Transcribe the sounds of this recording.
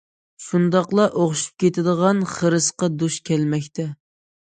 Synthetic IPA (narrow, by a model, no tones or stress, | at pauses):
ʃund̪ɑqlˠɑʔoχʃu̥p̚kʲʰet̪ʰɪd̪əʁɑnχəɾɨsqɑd̪uʃkʲʰɛlmɛkʲt̪ʰɛ